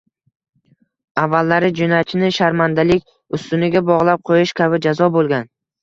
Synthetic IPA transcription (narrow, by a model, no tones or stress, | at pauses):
avːalːaɾɪd͡ʒʊnat͡ʃʰɪnɪʃaɾmand̪alɪkʲ | ʊst̪ʊnɪɡʲabɒʁlˠap̚qʰojɪʃkʲʰabɪd͡ʒazɒbolˠɡʲan